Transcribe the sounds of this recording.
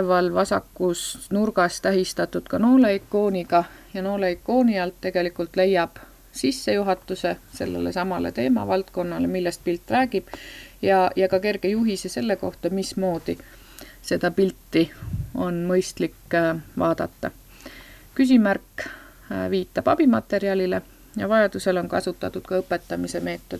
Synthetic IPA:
vɑlvɑsɑ̰kːusnurɡɑst̪æɦist̪ɑt̪ːut̪kɑno̞ːleikːˑo̞ːniɡɑ | jɑno̞ːleikːˑo̞ːniɑlt̪ːe̞ɡ̥e̞likult̪ˑle̞jːɑb̥ | sisːe̞juɦɑt̪ːˑuse̞se̞̰lːḛlesɑmɑle̞̰t̪e̞ːmɑ̰vɑlt̪̚ko̞nːɑle̞milːest̪̚pilt̪ːˑræːɡib̥jɑjɑkɑke̞rɡ̥e̞juɦisese̞lːe̞ko̞ht̪ɑmismo̞ːd̪̥i | se̞d̪̥ɑpilt̪ːio̞nmɤjst̪likːvɑ̰ːd̪̥ɑt̪ːɑ̰ | kys̬imærkː | viːt̪ːˑɑb̥ɑb̥imɑt̪ːˑe̞ɾiɑlʲile̞ | jɑ̰vɑjɑd̪̥use̞lo̞nkɑ̰sut̪ːˑɑt̪ːˑud̪̥kɑɤpːˑet̪ːɑmise̞me̞ːt̪ːˑo̞d̪̥

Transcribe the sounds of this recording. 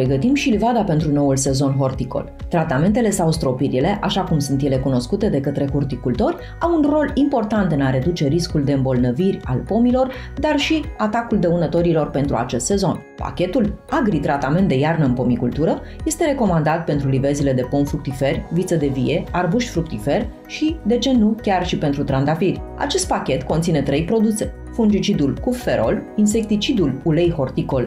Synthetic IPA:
ɾeɡət̪imʃilvad̪ape̞nt̪ɾuno̞ulse̞zo̞nɦo̞rt̪iko̞̰l | t̪ɾat̪ame̞nt̪e̞le̞sawst̪ɾo̞piɾile̞ʔaʃakumsunt̪je̞le̞kuno̞skut̪e̞d̪e̞kət̪ɾe̞hurt̪ikult̪o̞ɾʲ | awunro̞limpo̞rt̪ant̪ɨnaɾe̞d̪ut͡ʃe̞ɾiskuld̪e̞ɨmbo̞lnəvirʲa̰lpo̞milo̞r | d̪arʃiat̪akuld̪eunət̪o̞ɾilo̞rpe̞nt̪ɾua̰t͡ʃe̞st̪se̞zo̞n | pa̰kʲe̞t̪ulaɡɾit̪ɾat̪ame̞nt̪d̪e̞jarnəɨnpo̞mikult̪uɾə | je̞st̪e̞ɾe̞ko̞mand̪at̪̚pe̞nt̪ɾulive̞zile̞d̪e̞po̞mfɾuk̚t̪ife̞rʲvit̪səd̪e̞vije̞arbuʃʲfɾuk̚t̪ife̞rʲ | ʃid̪e̞t͡ʃe̞nukʲarʃipe̞nt̪ɾut̪ɾand̪afirʲ | a̰t͡ʃe̞st̪̚pakʲe̞t̪ko̞nt̪sine̞t̪ɾe̞jpɾo̞d̪use̞ | fund͡ʒit͡ʃid̪ulkufːe̞ɾo̞̰lins̬e̞k̚t̪it͡ʃid̪ululejho̞rt̪iko̞l

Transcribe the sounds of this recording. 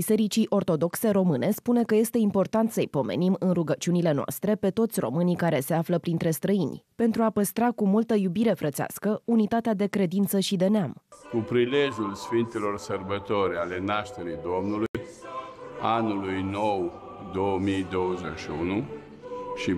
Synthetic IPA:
bise̞ɾit͡ʃiʔo̞rt̪o̞d̪o̞kse̞ɾo̞mɨne̞spune̞kəje̞st̪e̞impo̞rt̪ant̪səijpo̞mḛnimɨnruɡət͡ʃiunile̞noa̰st̪ɾe̞pe̞t̪o̞t̪sʲro̞̰mɨnikaɾe̞se̞afləpɾint̪ɾe̞st̪ɾəinʲpe̞nt̪ɾuapəst̪ɾakumult̪əjubiɾe̞fɾət̪sea̰skəunit̪at̪ead̪e̞kɾe̞d̪int̪səʃid̪e̞neamkupɾileʒjulsfint̪elo̞rsərbət̪o̞ɾʲale̞naʃt̪eɾijd̪o̞mnuluj | anulujno̞w | d̪o̞əmijd̪owəzeʃiunu | ʃi

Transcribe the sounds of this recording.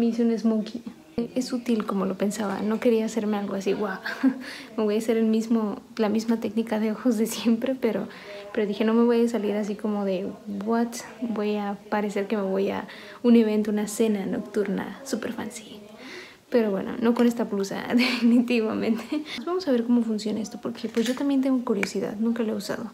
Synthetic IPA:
meiseunezmuki | esut̪ilko̞mo̞lo̞pe̞nsaβa̰no̞ke̞ɾiaːse̞ɾme̞alɣo̞asiɣwawme̞βo̞jase̞ɾelmizmolamizmat̪e̞knikaðeoxo̞zðe̞sje̞mpɾe̞pe̞ɾo̰ | pe̞ɾo̞ðixe̞no̞me̞βo̞jas̬aliɾas̬iko̞mo̞ðe̞bwat̪ | bo̞japaɾe̞se̞ɾke̞me̞βo̞ja̰ | une̞β̞e̞nt̪ounase̞nano̞̰kt̪uɾna̰supeɾfa̰nsi | pe̞ɾo̞βwe̞̰no̰no̞kone̞st̪aplusa̰ðefinit̪iβamẽnt̪ʰezβamo̞saβ̞e̞ɾko̞mo̞funsjo̞naest̪o̞po̞ɾkʰepwezʝo̞t̪ambjent̪̬eŋɡokuɾjo̞siða̰ðnũŋkaloeusa̰ðo̞

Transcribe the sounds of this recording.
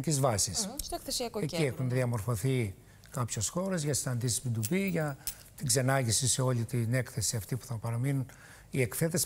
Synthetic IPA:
cizvɐsis | eiexunðiɐmo̞ɾfo̞θi | kɐpçosxo̞ɾezʝɐsinɐnd̪isispid̪ubiʝɐ | t̪iɡze̞nɐʝisiseo̞lit̪ine̞kθe̞siɐft̪ipu̥θɐpɐɾɐminun | ie̞kθe̞t̪es

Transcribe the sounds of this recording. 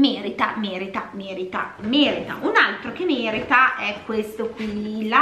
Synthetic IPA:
meːɾit̪a̰meːɾit̪ameːɾit̪a̰meːɾit̪a̰ʔunalt̪ɾokemeːɾit̪aʔɛkːwest̪okwila

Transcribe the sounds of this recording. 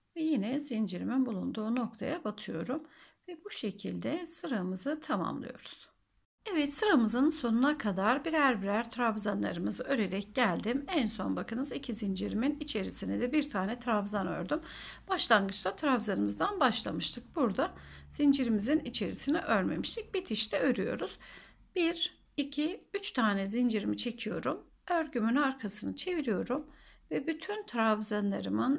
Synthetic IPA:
vɛjinɛzind͡ʒiɾiminbulˠund̪uːno̞k̚t̪ʰa̰jabat̪ʰɯjo̞ɾumvɛbuʃe̞cʰilʲd̪ɛsɯɾamɯzɯt̪ʰama̰mlˠɯ̰jo̞̰ɾuz̥ | ɛvɛt̪sɯɾamɯzɯnso̞nunakʰad̪aɾbiɾæɾbiɾæɾt̪ʰɾabzanlˠa̰ɾɯmɯzɯø̞ɾe̞ɾɛc̚ɟælʲd̪imɛnso̞nbakʰɯnɯzicʰizind͡ʒiɾiminit͡ʃʰe̞ɾisinɛd̪ɛbiɾt̪ʰaːnɛt̪ʰɾavzanø̰ɾd̪ym | b̥aʃlˠanɡɯt͡ʃt̪ʰat̪ʰɾavzaɾɯmɯzd̪anbaʃlˠa̰mɯʃt̪ʰɯk̚buɾd̪az̥ind͡ʒiɾimizinit͡ʃʰe̞ɾisiniʔøɾme̞̰miʃt̪ʰic̚bit̪ʰiʃt̪ʰɛø̞ɾyjo̞̰ɾuz̥ | b̥iɾ | icʰiyt͡ʃt̪ʰaːnɛzind͡ʒiɾimit͡ʃʰe̞cʰijo̞ɾum | øɾɟymynaɾkʰasɯnɯt͡ʃʰe̞viɾijo̞ɾumvɛbyt̪ʰynt̪ʰɾavzanlˠaɾɯmɯn

